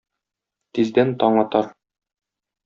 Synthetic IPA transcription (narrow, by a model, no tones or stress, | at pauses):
t̪izd̪ænt̪ɒɴɑt̪ɑɾ